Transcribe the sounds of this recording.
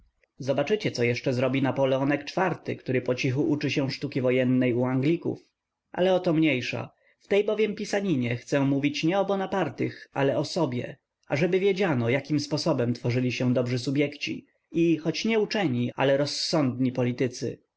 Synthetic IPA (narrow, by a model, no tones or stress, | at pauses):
zɔbat͡ʂɘt͡ɕɛt̪sɔjɛʂt͡ʂɛzɾɔbʲinapɔlɛɔnɛkt͡ʂfaɾt̪ɘ̰kt̪uɾɘpɔt͡ɕixuʔut͡ʂɘɕɛ̃ʂt̪ukʲivɔjɛnːɛjuaŋɡlʲikṵf | ʔa̰lɛɔt̪ɔmɲejʂa̰ | ft̪ɛjbɔvʲjɛmpʲisaɲiɲɛxt̪sɛ̃muvʲit͡ɕɲɛɔbɔnapaɾt̪ɘxa̰lɛɔsɔbʲjɛ̰ | aʐɛbɘvʲjed͡ʑanɔjakʲimspɔsɔbɛmt̪fɔʐɘlʲiɕɛ̃d̪ɔbʐɘs̬ubʲjɛkt͡ɕḭ | ixɔt͡ɕɲɛut͡ʂɛɲiʔa̰lɛɾɔsːɔnd̪ɲipɔlʲit̪ɘt̪sɘ̰